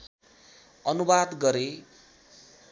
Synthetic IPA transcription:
ʌnubad̪ɡʌɾe

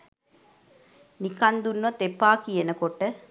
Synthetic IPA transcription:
nikɐnd̪unːʋɐt̪epːaːkijenəkoʈə

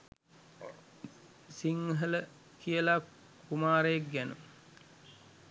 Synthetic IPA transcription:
siŋɦələ | kʰijəla | kumaːɾejek̚ɡænṵ

